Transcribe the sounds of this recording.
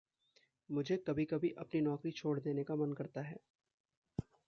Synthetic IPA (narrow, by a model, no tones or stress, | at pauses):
mʊd͡ʒʱekɐbʱikɐbʱiʔɐpninɔːkɾit͡ʃʰoːɽd̪eːnekamɐnkɐɾt̪aɦɛː